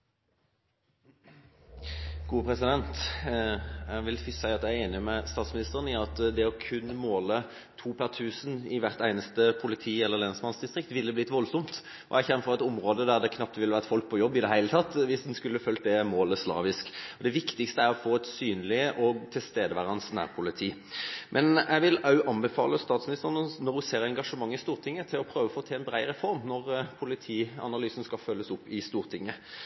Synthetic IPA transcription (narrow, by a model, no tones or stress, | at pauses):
ɡ̥uːəpʰɾɛsɪd̪ɛnt̪ | æʋɪlfsæɪɑt̪jæɪæeːnɪmɛst̪ɑːt̪smɪnɪst̪əʁənɪɑt̪d̪ɛɔkʰʉnːmoːlə | t̪ʰuːpʰæʁt̪ʰʉːsənɪʋæʁt̪æɪnəst̪əpʰʊlɪt̪ʰiːɛlːəʁlɛnsmɑnsd̪ɪst̪ʁɪk̚t̪ʋɪlːəblɪt̪ʋɔlsɔmt̪ | ɔ̰ʔæçɛnːfɔʁɛt̪ʊmʁoːd̪əd̪æʁd̪ɛkʰnɑp̚t̪ʋɪlːəʋæʁt̪fɔlk̚pʰɔjɔbːɪd̪ɛhæɪlət̪ʰɑt̪ːʋɪsd̪nskʉlːəfœlt̪̚d̪ɛmoːləslɑ̰ːʋɪskɔd̪ɛʋɪkt̪ɪkst̪əæɾɔfoːɛt̪syːnlɪəʔɔt̪ʰɪlst̪eːd̪əʋæːʁɑnsnæ̰ːʁpʰʊlɪt̪ʰiːmʔɛnæʋɪlɑʉʔɑnbəfɑ̰ːləst̪ɑːt̪smɪnɪst̪əʁnnɔʁʉseːʁɛŋɡɑʂəmɑŋːɪst̪uːʁt̪ʰɪŋːət̪ʰɪlɔpʰɾøːʋəfoːt̪ʰɛːɛnbʁæɪɾɛfɔɾmnɔʁpʰʊlɪt̪ʰiːɑ̰nɑlyːsn̩skɑfœlːəsʊpːɪst̪uːʁt̪ʰɪŋːə